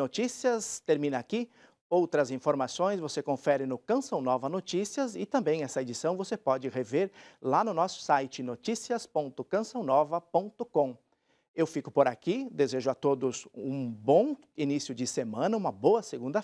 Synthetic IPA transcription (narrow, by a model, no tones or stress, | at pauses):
not͡ʃisiɐst̪eɾmĩnɐaki | owt̪ɾɐzĩfoɾmasõj̃svosekõfɛɾɪnʊkɐ̃sɐ̃w̃nɔvɐnot͡ʃisiɐzɪt̪ɐ̃mbẽj̃ɛsɐed͡ʒisɐ̃w̃vosepɔd͡ʒɪheveɾlanʊnɔsʊ̥sajt͡ʃɪnot͡ʃisiɐspõnt̪ʊkɐ̃sɐ̃w̃nɔvɐpõnt̪ʊkõ | ewfikʊ̥poɾakid̪ezeʒʊat̪od̪ʊzṵ̃bõ | inisjʊd͡ʒɪsemɐ̃nɐũmɐboɐseɡũnd̪ɐ